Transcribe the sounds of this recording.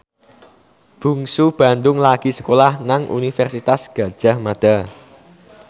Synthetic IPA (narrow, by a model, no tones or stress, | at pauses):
b̥ṳŋsub̥a̤nd̪ʊŋlaɡ̥i̤sə̥kolahnaŋʔṵnifɛrsit̪asɡ̥ä̤d̥ʒ̥a̤hmad̪̥a̤